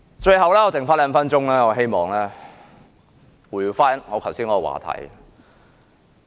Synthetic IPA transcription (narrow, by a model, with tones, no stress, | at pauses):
t͡ʃɵ˧ɥɦɐ˨wlɛː˥ɔː˧t͡sɪ˨ŋfaː˥nlɛː˨˧m̩˨fɐ˥nt͡ʃʊ˥ŋlɛː˥ŋɔː˨˧ɦe˥jmɔː˨˩ŋlɛː˥ | wuː˨˧˩ji˧wfaː˥˨n˨ŋɔː˨˧kʰwsiː˥nŋkɔː˨˧ɔ˧wa̰ː˨˩t̪ʰɐ̰˨˩j